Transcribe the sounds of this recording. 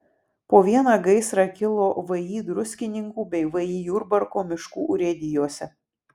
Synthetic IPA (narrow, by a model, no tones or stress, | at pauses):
poːʋʲiɛnɑːɡɐɪsɾɐkʲɪlˠoːʋɐiːd̪ɾʊsʲkʲɪnʲɪŋkuːbʲɛɪʋɐiːjuːɾbɐɾkoːmʲɪʃkṵːʔʊɾʲeɛd̪ʲɪjoːsʲɛ